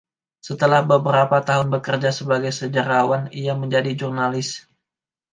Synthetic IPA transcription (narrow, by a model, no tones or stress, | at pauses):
sət̪əlahbəbəɾapat̪aɦʊnbəkərd͡ʒasəbaɡajsəd͡ʒaɾawaniaməɲd͡ʒadid͡ʒurnalɪs